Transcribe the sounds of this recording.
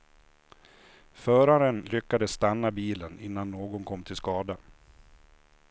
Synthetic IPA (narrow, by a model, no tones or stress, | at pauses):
fœːɾaɾənlʏkːad̪əssːt̪anːabiːlənɪnːanːoːɡɔnkʰɔmːt̪ʰɪlskɑːd̪a